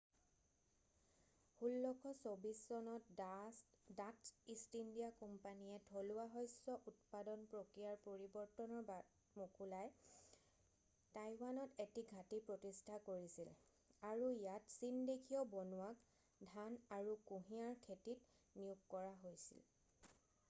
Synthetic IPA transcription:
hulːɔkʰɔsobiszɔnɔt | datsistindiakɔmpaniɛtʰolʊwaɦɔjsɔʔut̚padɔnpɹokɹijaɹpoɹibɔɹtɔnɔɹb | mokʰulaj | tajwanɔtetiɡʱatipɹotistʰakoɹisil | aɹuijatsindekʰiɔbɔnuwak | dʱanaɹukuɦiaɹkʰetit | niukkɔɹaɦojsḭl

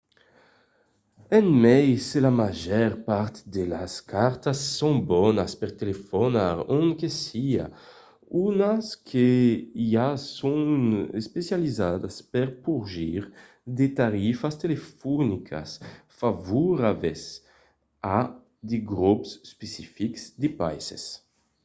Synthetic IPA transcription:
ɛnmɛjslamaʒɛɾpaɾt̪d̪ela̰skʰaɾt̪asːõŋbɔnaspeɾt̪elefonaɾõŋkesia̰ | unaskʰe | asõŋespesjalizad̪aspeɾpuɾʒiɾ | d̪et̪aɾifast̪elefɔnikʰa̰sfavuɾaves | a | d̪iɡɾupsspesifiksd̪ipa̰jsḛs

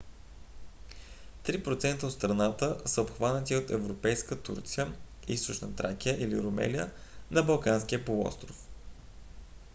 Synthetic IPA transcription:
t̪ɾipɾot̪sɛnt̪əot̪st̪ɾɐnat̪əsəopxvanət̪iot̪ɛvɾopɛjskət̪ṵɾt̪sijə | ist̪ʊt͡ʃnət̪ɾak̟ʲiəʔilḭɾomɛ̰lijə̰nɐbɐlˠkanskʲiəpolˠɔ̰st̪ɾof

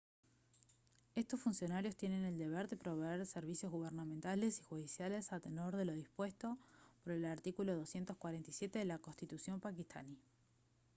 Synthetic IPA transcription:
e̞st̪o̞sfunsjo̞naɾjo̞st̪je̞ne̞ne̞ld̪e̞βeɾðe̞pɾo̞βeeɾseɾβisjo̞zɣuβ̞eɾname̞nt̪ale̞si̥xuðisjale̞sat̪eno̞ɾðe̞lo̞ðispwe̞st̪o̞poɾe̞laɾt̪ikulo̞ðo̞sje̞nt̪ohkwaɾe̞nt̪isje̞t̪e̞ðelakonst̪it̪usjo̞mpakist̪ʰa̰ni

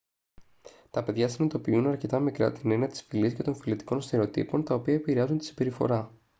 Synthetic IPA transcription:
t̪ɐpe̞ðʝɐsinɐt̪opiunɐɾce̞t̪ɐmikɾɐ̰t̪ine̞niɐt̪i̥sfilisce̞t̪o̞nfilit̪i̥ko̞nst̪eɾeot̪ḭpo̞nt̪ɐopiɐepiɾeɐzunt̪isibe̞ɾifo̞̰ɾɐ

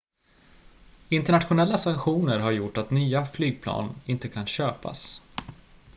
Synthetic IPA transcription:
ɪnt̪əɳat̪ɧʊnɛlːasaŋkɧuːnəɾɦaɾjʊʈːat̪nyːaflyːɡ̚pʰlɑ̰ːnɪnt̪əkʰanɕøːpa̰s

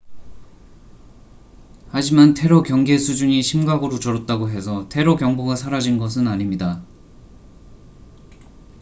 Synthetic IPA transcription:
had͡ʑimantʰe̞ɾokjʌŋɡe̞sʰud͡ʑuɲiɕʰimɡaɡɯɾot͡ɕʌɾʌt̚t͈aɡoɦe̞s̬ʰʌtʰe̞ɾokjʌŋboɡasʰaɾad͡ʑinɡʌs̬ʰɯnaɲimɲida

